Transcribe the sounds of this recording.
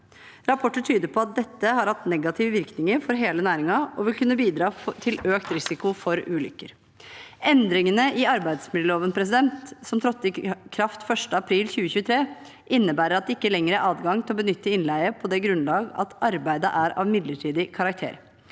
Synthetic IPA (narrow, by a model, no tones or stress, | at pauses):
ɾɑpʰɔʈːəʈʰyːd̪əpʰɔɑt̪̚d̪ɛt̪ːəhɑɾhɑt̪nɛɡɑt̪ʰɪʋəʋɪɾknɪŋəɾfɔɾɦeːlənæːɾɪŋɑɔʋɪlkʉnːəbiːd̪ɾɑːt̪ʰɪløːkt̪ɾɪsɪkʊfɔɾʉːlʏ̰kːə̰ɾ | ʔɛnd̪ɾɪŋənəʔɪɑɾbæɪd̪smɪd̪əloːʋənpʰɾɛs̬ɪd̪ɛnt̪sɔmt̪ʰɾɔt̪ːɪkʰɾɑft̪fœʂʈəɑpʰɾiːlçʉːəçʉːət̪ʰɾeː | ʔɪnːəbæːɾəɾɑt̪̚d̪ɛɪkːəlɛŋːəɾæɾɑːd̪ɡɑŋt̪ʰɪlɔbənʏt̪ːəɪnlæɪəpʰɔd̪ɛɡɾʉnlɑːɡɑ̰t̪ɑɾbæɪd̪əʔæɾɑ̰ːʋmɪd̪ləʈʰiːd̪ɪkʰɑɾɑkt̪ʰḛːɾ